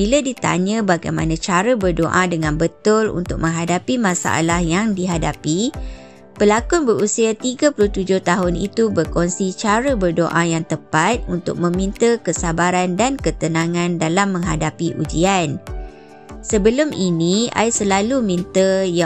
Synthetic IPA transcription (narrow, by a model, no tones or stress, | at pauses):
biladit̪a̰ɲə̃baɡajmanãt͡ʃaɾəbərdoʔadəŋãnbət̪ʊlṵnt̪ʊk̚mə̃ŋɦadapimãsa̰ʔa̰lahjaŋdiɦadapi | pəlakʊnbəɾusiat̪iɡapulʊht̪ud͡ʒʊht̪aɦʊnḭt̪ubərkɔnsit͡ʃaɾəbərdo̰ʔajaŋt̪əpat̪̚unt̪ʊ̰k̚mə̃mĩnt̪əkəsabaɾandankət̪ənãŋãndalamːə̃ŋɦadapiʔṵd͡ʒian | səbəlʊminia̰jsəlalumĩnt̪əja